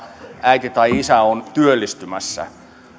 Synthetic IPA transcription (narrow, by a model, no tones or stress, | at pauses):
æit̪it̪ɑiisæont̪yølːist̪ymæsːæ̰